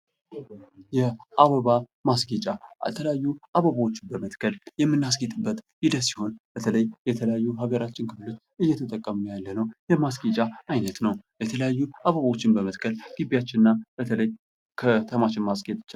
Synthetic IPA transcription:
jɛaβəβamasɡet͡ʃʼat̪ʰələjajːuʔaβəβawot͡ʃːɪnbəmət̪kʰəljɛmːɨnːas̬ɡet̪ʼɨbːət̪ʼjid̪əsi̥ho̞nb̥ət̪ʰələjjɛt̪ʰələjajːuɦaɡəɾat͡ʃːɪnkʰɨflo̞t͡ʃːɨjːɛt̪ʰət̪ʼəkʼːəmujalːənəwjɛmasɡet͡ʃʼaajnət̪nəwjɛt̪ʰələjajːuʔaβəβawo̞t͡ʃːɪnbəmət̪kʰəlɡ̥ibːijat͡ʃːɪnɨnːabət̪ʰələj | kʰət̪ʰəmaʃɪnmasɡet̪ʼt͡ʃː

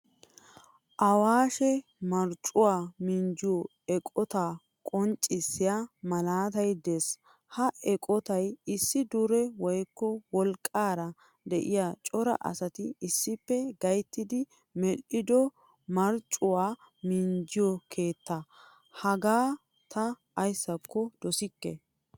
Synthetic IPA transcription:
ʔɐwaːʃɛmɐɾt͡ʃʼʊwaːmind͡ʒɪjɔ | ɛkʼɔt̪aː | kʼɔnt͡ʃʼːɪsːɪjamɐlaːt̪ɐjd̪es | hɐʔɛkʼɔt̪ɐjɪsːɪd̪ʊɾɛwɔjkːɔwɔlkʼːaːɾɐ | d̪ɛʔɪjaːt͡ʃʼɔɾɐ̰ʔɐ̰sɐt̪ɪɪsːɪpːɛɡɐjt̪ːɪd̪ɪ | mɛlːɪd̪ɔ | mɐɾt͡ʃʼʊwaː | mɪnd͡ʒɪjɔkʰe̞ːt̪ːɐ | hɐɡaː | t̪ɐː | jsːɐkʰːɔd̪̥ɔsɪkːɛ̰

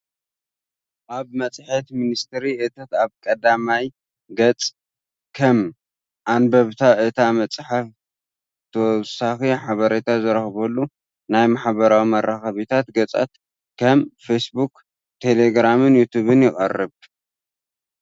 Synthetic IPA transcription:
ʔaβmɐt͡sʼħet̪minist̪ʰɨɾiʔɨt̪ʰat̪aβkʼɐd̪amaj | ɡɐt͡sʼ | kʰɐm | ʔanbɐβt̪ʰaʔɨt̪ʰamɐt͡sʼħaf | t̪ʰɐwɔsaxiħaβɐɾet̪ʰazɨɾɐxbɐlːu | najmaħβɐɾawimɐɾaxɐβit̪ʰat̪ɡɐt͡sʼa̰t̪ | kʰɐmfesbuk | t̪ʰe̞leɡɾamɨnjut̪ʰuβɨnjɪχʼɐ̰rːɨβ

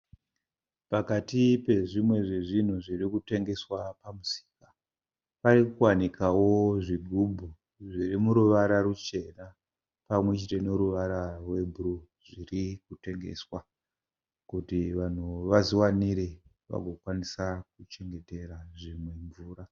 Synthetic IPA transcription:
pakatipe̞ʐimwe̞ʐeʐin̤uʐirikute̞ŋɡe̞swapamusi̥kḁ | parikuwanikʰawo̞ʐiɡʱubʱu | ʐirimuɾuʋaɾarut͡ʃe̞na | pamwet͡ʃitenoɾuʋaɾarwe̞bʱuru | ʐ̥irikute̞ŋɡe̞̰swa | kutiʋan̤uʋaziwaniɾe | ʋa̰ɡʱo̞kwanisakut͡ʃe̞ŋɡe̞te̞ɾaʐimwe̞ɱvuːra

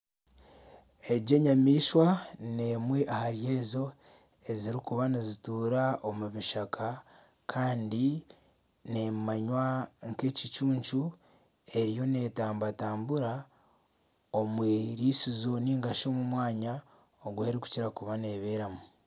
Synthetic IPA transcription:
e̞ɟe̞ɲamiːʃwaneːmwe̞ʔahaɾje̞ːzo̞ | e̞ziɾikuβanizituːɾao̞muβiʃakʰa | kʰaːndi | nemaɲwaŋke̞cit͡ʃuːɲt͡ʃu | e̞ɾijo̞ne̞ːtaːmbataːmbuɾa | omweɾiːsizo̞niːŋɡaʃo̞ːmumwaːɲa | oɡweeɾiku̥ciɾakuβaneːβeːɾamu

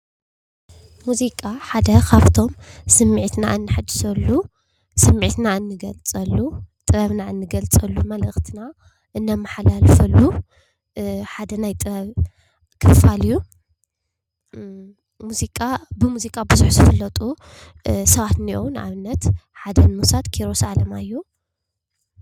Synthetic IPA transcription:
muzikʼaħad̪ɐkʰaβt̪ʰo̞msɨmːiʕit̪naɨnːɨħad̪ɨsɐlːu | sɨmːʕit̪naɨnːɨɡɐlt͡sʼɐlːut̪ʼɨɾɐβnaɨnːɨɡɐlt͡sʼɐlːumɐlɨxt̪ʰɨna | ʔɨnːɐmːaħalalfɐlːu | ħad̪ɐnajt̪ʼɨɾɐβ | kʰɨfaliju | muzikʼabɨmuzikʼabɨzuħzɨfɨlːɐt̪ʼu | sɐβat̪niʔownʔa̰βɨnːɐt̪ħad̪ɐnmusat̪kʰiɾo̞salɐmajːu

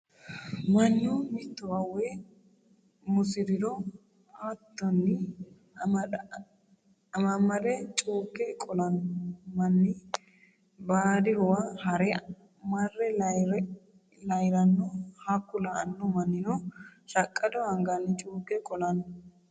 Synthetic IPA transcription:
mɐnːɪmɪt̪ːɔwɐwɛ | mʊsɪdɪd̪ɔ | at̪ːɔnːɪ | ɐmɐmɐɾɛt͡ʃʼuːkːɛkʼɔlɐnʊmɐnːɪ | baːd̪ɪhɔwahɐɾɛ | mɐrːɛɾ | lɐjɾɐnːɔhakːʊlaɐ̰nːɔmɐnːɪnoʃɐkʼːɐd̪ɔɐŋɡɐnːɪt͡ʃʼuːkːɛkʼɔlɐnʊ

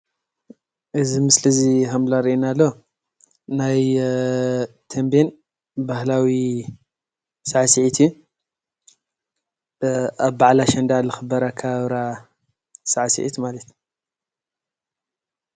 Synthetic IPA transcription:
ʔɨzimɨslɨzihamlaɾiʔinalːo | naj | t̪ʰɐmben | bahlawi | saʕsiʕit̪ʰju | aβbaʕlaʃɐnd̪alɨxɨbɐɾakʰaβɾa | saʕsḭʕit̪malɐt̪

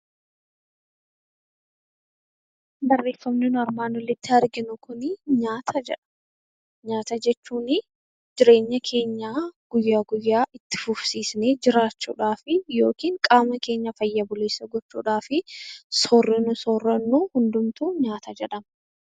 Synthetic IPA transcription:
bɐrːe̞ːfːɐmnɪnʊɐɾmaːnɔlːɪt̪ːɪɐɾɡɪnʊkʰʊnɪɲaːt̪ʰɐd͡ʒɛᶑɐ̥ | ɲaːt̪ɐd͡ʒɛt͡ʃːuːnɪ | d͡ʒɪɾe̞ːɲːɐkʰe̞ːɲːaɡ̥ʊjːaːɡʊjːaːʔɪt̪ːɪ̥fʊfsiːsneːd͡ʒɪɾaːt͡ʃːṵːᶑaːfɪjo̞ːkiːŋkʼaːmɐke̞ːɲːɐfɐjːɐbʊleːsːɐɡɔt͡ʃːṵːᶑaːfɪsɔrːɪnʊsoːrːɐnːuːhʊnd̪ʊmt̪uːɲaːt̪ɐd͡ʒɛᶑɐm

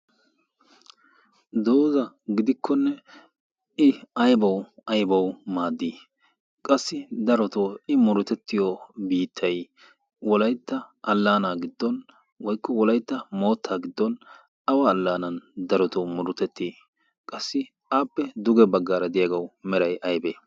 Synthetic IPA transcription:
d̪o̞ːzɐ | ɡɪd̪ɪkʰːɔnːɛ | ɪɐjbɐwɐjbɐwmaːd̪ːiː | kʼɐsːɪd̪ɐɾɔt̪oːɪmʊɾʊt̪ɛt̪ːɪjɔbiːt̪ʰːɐj | wɔlɐjt̪ːɐʔɐlːaːnaːɡɪd̪ːɔn | wɔjkːɔwɔlɐjt̪ːɐmo̞ːt̪ʰːaːɡɪd̪ːɔn | ɐwaːlːaːnɐnd̪ɐɾɔt̪ɔmʊɾʊt̪ɛt̪ːiː | kʼɐsːɪ | aːpːɛd̪ʊɡɛbɐɡːaːɾɐd̪ɪjaɡɐwmɛɾɐjʔɐjbeː

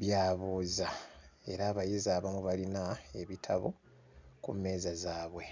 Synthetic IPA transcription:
βjaːβoːzae̞̰ɾaːβajezaːβamuβalinae̞βitʰa̰βo̰ | kṵme̞ːzazaːβwe̞

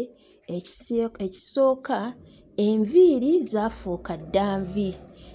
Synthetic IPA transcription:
eci̥so̞ːka | eɱviːɾizaːfuːkadːaːɱvi

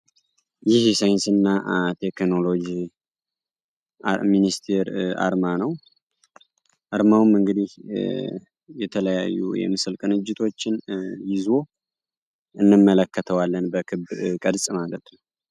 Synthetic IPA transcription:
jɪhjɛsajɪnsɨnːat̪ʰe̞kno̞lo̞d͡ʒi | aminist̪ʰeɾa̰ɾmanəw | ʔaɾmawumɨŋɡɨd̪ih | jɛt̪ʰələja̰jːṵjɛ̰mɨsɨlkʼɨnɨd͡ʒːɪt̪ʰo̞t͡ʃːɪnjɪzo̞ | ʔɨnːɨmːələkːət̪ʰəwalːənbəkʰɨbkʼədsʼmalət̪nəw

